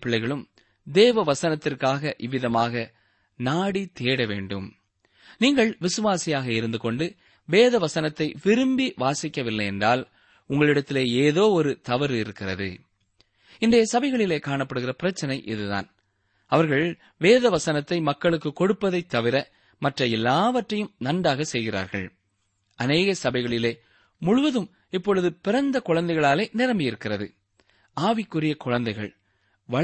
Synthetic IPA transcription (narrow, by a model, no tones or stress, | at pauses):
pːɪɭːɐɪɣɐɭɯm | d̪eːʋɐʋɐsɐnɐt̪ːɪrkaːɣɐʔɪʋːɪðɐmaːɣɐ | naːɽit̪eːɽɐʋḛːɳɖɯm | niːŋɡɐɭʋɪsɯʋaːsijaːɣɐɪɾɯnd̪ɯkɔɳɖɯ | ʋeːðɐʋɐsɐnɐt̪ːɐɪʋɪɾɯmbiʋaːsɪkːɐʋɪlːɐjɛndraːl | ʊŋɡɐɭɪɽɐt̪ːɪleːeːðoːɔɾɯt̪ɐʋɐɾɪɾɯkːɪrɐðɯ̰ | ɪnd̪ejɐsɐbɐɪɣɐɭɪleːkaːɳɐpːɐɽɯɣɪrɐpɪɾɐt͡ʃːɐnɐɪʔɪðɯða̰ːn | ɐʋɐɾɣɐɭ | ʋeːðɐʋɐsɐnɐt̪ːɐɪmɐkːɐɭɯkːɯkːɔɽɯpːɐðɐɪt̪ːɐʋɪɾɐ | mɐʈrɐɛlːaːʋɐʈrɐjɯmnɐɳɖaːɣɐsɛjɣɪɾa̰ːɾɣɐ̰ɭ | ʔɐneːɣɐsɐbɐɪɣɐɭɪleː | mʊɻʊʋɐðɯm | ɪpːɔɻɯðɯpɪɾɐnd̪ɐkʊɻɐnd̪ɐɪɣɐɭaːleːnɪɾɐmbɪjɪɾɯkːɪrɐðɯ̰ | aːʋɪkːʊɾɪjɐkʊɻɐnd̪ɐɪɣɐ̰ɭ | ʋɐ